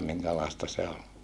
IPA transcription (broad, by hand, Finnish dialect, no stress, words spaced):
miŋkælɑˑestɑ se ol